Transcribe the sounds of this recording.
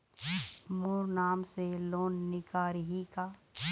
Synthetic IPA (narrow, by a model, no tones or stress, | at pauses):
moːɾnaːmseloːnːɪkaːɾɦikaː